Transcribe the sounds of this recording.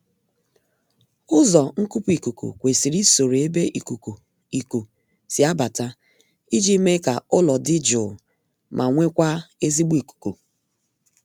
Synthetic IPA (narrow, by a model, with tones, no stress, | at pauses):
ʊ˦zɔ˨ŋ̩˦ku˦pu˦i˨ku˨kṵ˨kʷe˨si˨ɾi˦so˨ɾe˨e˦be˦ʔi˨ku˨ku˨ | i˨ku˨ | sɪ˨a˦ba˨ta˦ | i˦d͡ʒi˦me˦ka˨ʊ˦lɔ˨dɪ˦d͡ʒʊ˨ | mʔa˨ŋʷe˦kʷa˦e˦zi˦ɡ͡bi˨ku̥˨ku˨